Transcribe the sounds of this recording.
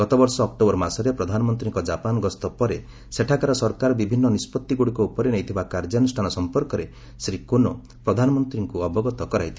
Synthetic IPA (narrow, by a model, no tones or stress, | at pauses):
ɡɔt̪ɔbɔɾsɔːkʈobɔɾmasɔɾepɾɔd̪ʱanɔmɔnt̪ɾiŋkɔd͡ʒapanɔɡɔst̪ɔpɔɾe | seʈʰakaɾɔsɔɾkaɾɔbibʱinːɔnispɔt̪ːiɡuɽikɔupɔɾenejt̪ʰibakaɾd͡ʒanusʈʰanɔsɔmpɔɾkɔɾe | sɾikonɔ | pɾɔd̪ʱanɔmɔnt̪ɾiŋkuɔbɔɡɔt̪ɔkɔɾajt̪ʰi